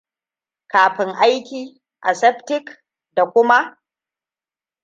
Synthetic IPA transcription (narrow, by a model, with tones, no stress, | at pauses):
kaː˨ɸɪ˦ŋʔa˦jkʲiː˨ | ʔa˨sɛ˦ɸtɪ˦k | da˨kʷʊ˦ma˦ʔ